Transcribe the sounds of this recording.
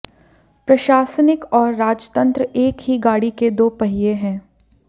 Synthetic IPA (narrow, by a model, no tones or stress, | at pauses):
pɾɐʃaːsənɪkɔːɾːaːd͡ʒt̪ə̃nt̪ɾəeːkɦiɡaːɽiked̪oːpɐɦɪjeɦɛ̃ː